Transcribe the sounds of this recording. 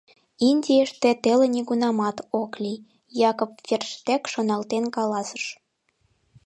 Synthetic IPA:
inʲdʲieʃt̪et̪elenʲiɣunɑmɑt̪oklʲi | jɑkopfʲerʃt̪ekʃonɑlt̪enkɑlɑsə̥ʃ

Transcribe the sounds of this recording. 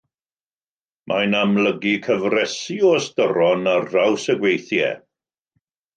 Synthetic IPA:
mʔajnamləɡikʰəvrɛsiɔstəɾɔnarːawsəɡwejθjɛ̰

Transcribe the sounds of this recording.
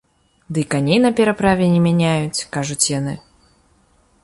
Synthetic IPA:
d̪ɨkanʲejnɐpʲɛɾapɾavʲɛnʲɛmʲanʲajut͡sʲkaʐut͡sʲjanɨ

